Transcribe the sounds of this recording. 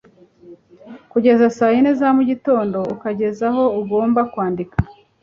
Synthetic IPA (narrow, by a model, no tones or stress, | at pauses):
kuɟe̞zasaːjinezamuɟito̞ːndo̞ukaɟe̞zaɦo̞uɡo̞ːmbakwaːndika